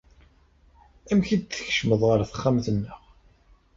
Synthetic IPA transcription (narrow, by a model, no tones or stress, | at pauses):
æmçid̪̚θə̥ç̥ʃməðˤʁəɾθə̥χːamθənːəʁ